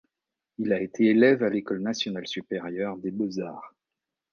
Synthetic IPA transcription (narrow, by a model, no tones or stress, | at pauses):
ilaet̪ʰeːlɛvalekɔlnasjɔnalsypeʁjœʁd̪eboza̰ːʁ